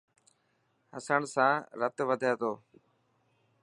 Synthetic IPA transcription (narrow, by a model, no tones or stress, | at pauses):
həsəɳsãːɾət̪ʋəd̪ʱaːt̪oː